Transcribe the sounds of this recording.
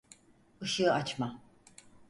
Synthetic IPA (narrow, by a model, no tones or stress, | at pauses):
ɯʃɯat͡ʃma